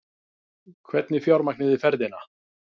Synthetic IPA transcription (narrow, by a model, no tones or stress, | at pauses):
kʰvɛt̪nɪfjawɾmaknɪðɪfɛɾðɪna